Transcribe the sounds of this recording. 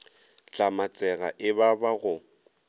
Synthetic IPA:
t͡ɬʼamat͡sʼɛɣa̰ʔɪbabaɣʊ

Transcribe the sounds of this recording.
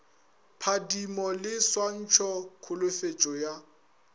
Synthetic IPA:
pʰadimɔlɪswan̩t͡ʃʰɔkʰʊlʊfet͡ʃʼɔja

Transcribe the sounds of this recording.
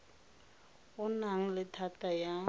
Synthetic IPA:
ʊnaŋ̩lɪtʰataja

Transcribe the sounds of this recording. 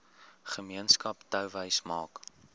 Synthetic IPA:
χəmiənskɐptœwvəjsmɑːk

